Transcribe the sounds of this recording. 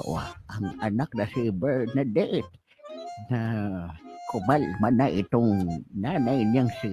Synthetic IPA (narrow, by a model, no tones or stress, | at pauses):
ʔw̰a̰ʔaŋanak̚nasibəɹnad̪eʔɪt̪̚ | na | kʊmalmanaʔɪt̪ʊŋnanajnjaŋsi